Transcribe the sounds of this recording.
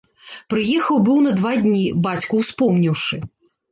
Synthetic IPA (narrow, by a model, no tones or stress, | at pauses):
pɾɨjɛxɐwbɨwnɐd̪vad̪ʲnʲibat͡sʲkuwspɔmnʲiwʂɨ